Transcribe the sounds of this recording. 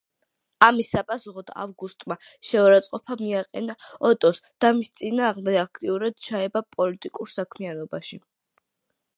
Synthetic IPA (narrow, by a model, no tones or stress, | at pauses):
amisːapʼasuχɔd̪̥a̰vɡust̪ʼma | ʃɛaɾat̪sʼqʼɔpʰamiaqʼɛnaɔt̪ʼɔsd̪̥amist̪sʼinaːʁmd̪ɛɡakʰt̪ʼiuɾad̪̥̚t͡ʃʰaɛbapʼɔlit̪ʼikʼuɾsakʰmianɔbaʃi